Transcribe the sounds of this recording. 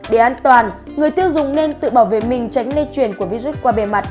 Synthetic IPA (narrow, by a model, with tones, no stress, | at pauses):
ɗe˧˩ʔaː˧nt̪waː˨˩n | ŋɨ˨˩əjt̪i˧əwzʊ˨ŋ͡mne˧nt̪ɨ̰˧˨ɓaː˧˩wvḛ˧˨mï˨˩ŋ̟t͡ɕa˨˦jŋ̟le˧t͡ɕwi˨˩ənku˧˩əvi˨˦zu˦˥t̚kwaː˧ɓe˨˩ma˨˩t̚